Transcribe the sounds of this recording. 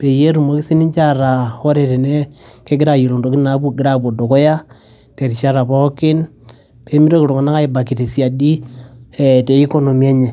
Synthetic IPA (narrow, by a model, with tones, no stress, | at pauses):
pe˨je˦ɾu˨mo˦ki˦si˦ni˦ɲt͡ʃa˦ɾa˨o˦ɾe˨te˨ne˦ke˦ɡɪ˦ɾa˨je˨lo˨ndo˨˦ki˦na˨˦bu˦ɡɪ˦ɾa˨bo˨do˨kɔ˦ja˦ | te˨ɾi˨ʃa˦ɾa˨pɔ˦kɪ˦n | pe˦mi˦ɾo˦ki˨ɾo˨kɔ˨na˦ka˦i˨ba˨ki˨te˨si˦a˨di˦e˨te˨i˦ko˦no˨mie˦ɲe˨